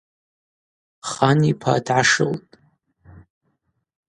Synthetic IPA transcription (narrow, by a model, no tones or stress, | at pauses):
χanipʰa̰ːdʕaʂɨ̰ltʼ